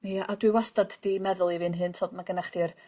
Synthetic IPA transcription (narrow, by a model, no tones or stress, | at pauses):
jaʔadwɨwastadd̥imɛðʊlˠivɨnɦɨntʰoːd̚maɡənaχd̥ir